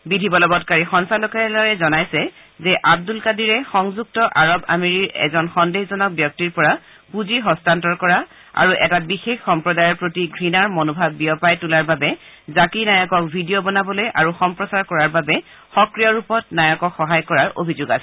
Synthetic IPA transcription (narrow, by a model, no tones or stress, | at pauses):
bidʱibɔlɔbɔtkaɹixɔŋsalokaɛlaɹɛzɔnajsɛ | zɛʔab̚dulkadiɹɛxɔŋzuk̚tɔʔaɹɔba̰meɹiɹɛ̰zɔnxɔndexzɔnɔk̚bjɔk̚tiɹpɔɹa | puziɦɔstantɔɹkɔɹa | a̰ɹuʔɛtabixexːɔmpɹɔdajɔɹpɹotiɡʱɹinaɹmonobʱabːiɔpajtulaɹbabɛ | zakinajɔkɔk̚bʱidijobɔnabɔlojʔaɹuxɔmpɹɔsaɹkɔɹaɹbabɛ | xɔkɹijɔɹupɔtnajɔkɔkxɔɦajkɔɹaɹʔo̰bʱizoɡa̰sɛ